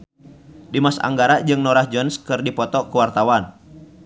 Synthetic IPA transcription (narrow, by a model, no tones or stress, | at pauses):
dimasa̰ŋɡaɾad͡ʒɨŋnɔɾahd͡ʒɔnskɨrdipɔt̪ɔkuwart̪awan